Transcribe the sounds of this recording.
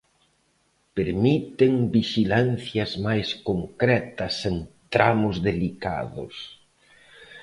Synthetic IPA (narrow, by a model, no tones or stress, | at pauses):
peɾmit̪eŋbiʃilan̟θjɐzmajskoŋkɾɛt̪ɐseŋt̪ɾamʊzðelika̰ðʊ̰s